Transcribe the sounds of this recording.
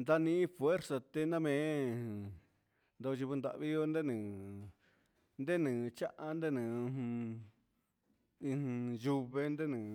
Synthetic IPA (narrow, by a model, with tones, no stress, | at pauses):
nd̪a˧nĩ˧˦i˦fwe˦ɾsa˧t̪e˧nã˦mẽ˨˧˦ | nd̪o˧t͡ʃi˧βu˧nd̪a̰˨ʔβi˦jo˦nd̪e˦nɨ̃ː˨ | nd̪e˦nɨ̃ː˨˧t͡ʃa˦ʔa˦nd̪e˦nɨ̃˨˧h | ĩ˧hju˧βe˧nd̪e˦nɨ̃ː˨